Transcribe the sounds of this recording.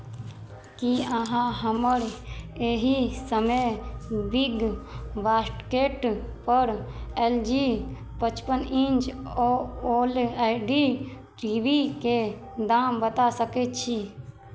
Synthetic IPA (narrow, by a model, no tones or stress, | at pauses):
kiəɦãɦəməɾeːɦisəmebiɡʋaːsʈkeːʈpəɾeld͡ʒi | pət͡ʃpənĩnd͡ʒooːlaɖi | ʈɾiːbike | d̪aːmbət̪asəket̪t͡ʃʰi